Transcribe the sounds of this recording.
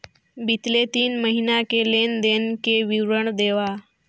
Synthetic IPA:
bʱit̪let̪iːnməɦinakelend̪enkeʋiwɾəɳd̪eʋa

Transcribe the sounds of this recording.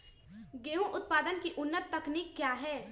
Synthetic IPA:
ɡeːũʔʊt̪paːd̪ənkiʔʊnːət̪ːɐkniːkːjaːɦɛː

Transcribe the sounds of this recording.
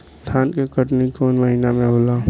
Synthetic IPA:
d̪ʱaːnkekəʈnikoːnməɦinamẽɦoːlaː

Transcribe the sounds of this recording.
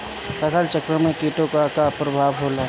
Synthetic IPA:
sət̪ʰəlt͡ʃəkɾəmẽkiːʈõkakapɾəbʱaːʋɦoːla

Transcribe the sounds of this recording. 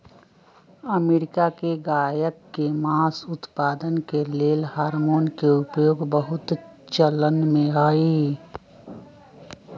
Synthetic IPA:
əmeːɾɪkakeɡaːjəkːemaːsʊt̪paːd̪ənkeleːlhaːɾmoːnkeʊpjoːɡbəɦʊt̪t͡ʃələnmẽaːi

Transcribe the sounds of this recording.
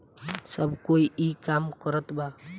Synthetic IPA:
səbʱkoiʔikamkəɾət̪ba

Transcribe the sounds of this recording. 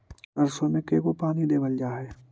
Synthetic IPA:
ɐɾsõmẽkeːkopaːnid̪eːbəld͡ʒaːɦɛː

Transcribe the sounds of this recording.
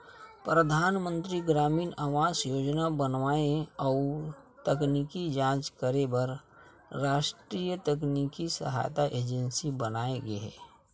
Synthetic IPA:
pɾəd̪ʱaːnmə̃nt̪ɾiɡɾaːmiːnaːʋaːsjoːd͡ʒnabənʋaːeɔːt̪əknikid͡ʒãːt͡ʃkəɾebəɾ | ɾaːʃʈɾijət̪ək̬nikisə̰ɦa̰jt̪aʔeːd͡ʒə̃nsibənaːeɡəḛː

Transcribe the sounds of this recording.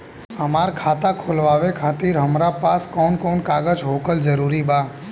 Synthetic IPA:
əmaɾkʰat̪akʰolʋaʋekʰat̪iɾɦəmɾapaskɔnkɔnkaɡəd͡ʒɦokəld͡ʒəɾuɾiba

